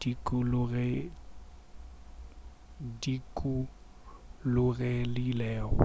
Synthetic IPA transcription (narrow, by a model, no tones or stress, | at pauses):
d̥ikʼulʊɣɛ | dikʼu | lʊɣɛlɪːlɛːɔ̰